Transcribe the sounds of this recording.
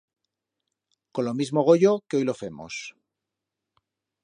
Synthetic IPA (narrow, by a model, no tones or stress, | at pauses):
ko̞nlomizmoɣ̞o̞ʝo̞keo̞jlo̞fe̞mo̰s